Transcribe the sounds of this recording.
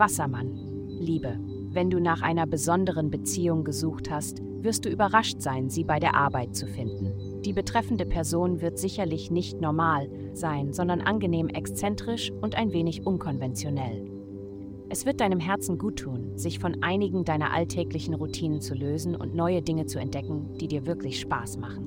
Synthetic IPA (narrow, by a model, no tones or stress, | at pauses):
v̥asɐman | liːbə | vɛnduːnaːχʔaɪnɐbəzɔndəʁ̞ənbət͡siːʊŋɡəzuːxthast | v̥ɪɐst̚d̥uːʔyːbɐʁaʃtz̥aɪnziːbaɪɾeːɐʔaɐbaɪt̚t͡sufɪndn̩ | d̥iːbətʁ̥ɛfn̩dəpʰɛɐzoːnvɪɐtz̥ɪçɐlɪçnɪçtnɔɐmaːl | z̥aɪnzɔndɐnʔa̰nɡəneːmʔɛkst͡sɛntʁ̥ɪʃʔʊntʔaɪnveːnɪçʔʊnkʰɔnvɛnt͡sjonɛl | ʔɛsv̥ɪɐt̚d̥aɪnəmɦɛɐt͡sn̩ɡuːtʰːuːnz̥ɪçfɔnʔaɪnɪɡŋ̩daɪnɐ̰ʔa̰ltʰɛːklɪçn̩ʁutʰiːnənt͡suløːzn̩ʔʊ̰ntnɔʏədɪŋət͡suɛ̰ntd̥ɛkŋ̩d̥iːdiːɐvɪɐklɪçʃpaːsmaχn̩